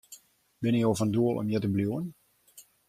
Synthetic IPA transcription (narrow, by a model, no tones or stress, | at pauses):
bɪnɪjofənduəlˠʔɔ̰mjɛtəbljuən